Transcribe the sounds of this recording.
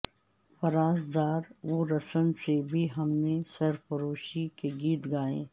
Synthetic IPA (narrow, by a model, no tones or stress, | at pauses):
fɐɾaːzd̪aːɾʋoɾɐsənsebʱiɦɐmnesɐɾfɐɾoːʃikeɡiːt̪ɡaːḛ̃ː